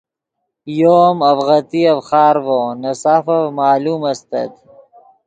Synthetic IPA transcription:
joːmɐfɣɐt̪iɐfχaːɾvonɐsafɐvmaːluːmɐst̪ɐ̰d̪

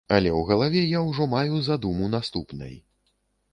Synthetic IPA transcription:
ɐlʲɛwɣɐlˠavʲɛjawʐɔmajuzad̪umunast̪upnɐ̰j

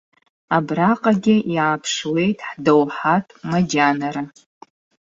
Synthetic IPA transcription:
abraqʼaɡʲɪjaːpʰʂwe̞jtʼħdowħatʼmad͡ʒanaɾa

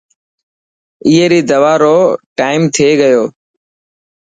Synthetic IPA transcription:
ɪːɦeːɾiːd̪əʋaːɾoːʈaːɪmt̪ʰeːɡəjoː

